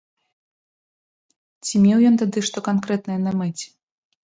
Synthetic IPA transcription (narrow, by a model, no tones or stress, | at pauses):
t͡sʲimʲewjɔnt̪ad̪ɨʂt̪ɔkankɾɛt̪nɐjɛnɐmɛt͡sʲ